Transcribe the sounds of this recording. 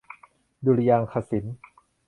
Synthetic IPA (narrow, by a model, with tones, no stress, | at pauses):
du˧ɾi˧jaː˧ŋkʰa˧˩si˩˦n